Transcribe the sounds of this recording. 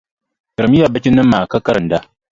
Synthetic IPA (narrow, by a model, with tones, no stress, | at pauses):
tə˨ɾmi˦ja˨ba˦t͡ʃi˦nə˦mːa˨ka˦kɐ˦ɾɨ˨n˨da˦